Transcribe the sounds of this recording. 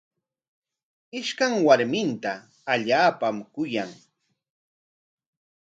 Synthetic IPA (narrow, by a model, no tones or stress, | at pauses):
ɪʃkaŋwaɾmɪnt̪aː | ʎaːpamkʊjaŋ